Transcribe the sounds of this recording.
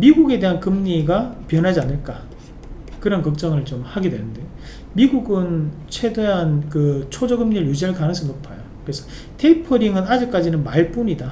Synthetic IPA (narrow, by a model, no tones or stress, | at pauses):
miɡuɡe̞de̞ɦankɯmɲiɡapjʌnɦad͡ʑianːɯɭk͈a | kɯɾʌnkʌk̚t͡ɕ͈ʌŋɯɭt͡ɕomhaɡidwe̞nɯnde̞jo | miɡuɡɯnt͡ɕʰwe̞deɦankɯt͡ɕʰod͡ʑʌɡɯmɲiɾɯɭjud͡ʑiɯɭkanɯŋsʰʌmnopʰajokɯɾesʰʌ | tʰe̞ipʰʌɾiŋɯnad͡ʑɯk̚k͈ad͡ʑinɯnmaɭp͈uɲida